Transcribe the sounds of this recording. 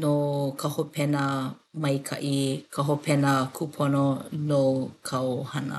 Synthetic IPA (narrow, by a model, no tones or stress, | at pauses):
nokʰɐhopʰɛnəmɐjkʰɐ̰ʔikʰɐɦopʰɛnɐkʰupʰononokʰawhɐnə̰